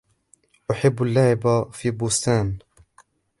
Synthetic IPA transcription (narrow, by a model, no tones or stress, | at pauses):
ʔʊħabːalːaːʕɪbafiːbʊst̪aːn